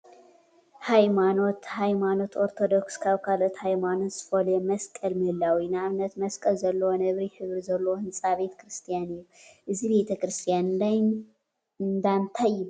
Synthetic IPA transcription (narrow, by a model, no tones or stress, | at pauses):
hajmanot̪hajmano̞t̪o̞ɾt̪ʰo̞d̪okskʰaβkʰalot̪hajmanozɨfɐlemɐskʼɐlmɨhɨlːawinɨaβnɐt̪mɐskʼɐlzɐlːɐwonɐβɾiħɨβɾizɐlːɐwohɨnsʼaβe̞t̪kɾɨst̪ʰijanɨjːuʔɨziβe̞t̪ʰɐkɾɨst̪ʰijana | nd̪ant̪ʰaɨju